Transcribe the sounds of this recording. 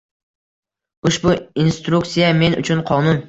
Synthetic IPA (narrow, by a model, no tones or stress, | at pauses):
uʃbuinst̪ɾuksijɛmenṵt͡ʃʰynqʰɑnun